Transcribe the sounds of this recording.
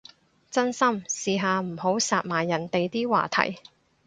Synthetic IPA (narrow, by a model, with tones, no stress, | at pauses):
t͡sɐ˥nsɐ˥msiː˧ɦaː˨˧m̩˨˩ho˨˥wsaː˨˧t̚maː˨˩jːɐ˨˩nt̪e˨jt̪iː˥wa̰ː˨˩t̪ʰɐ̰˨˩j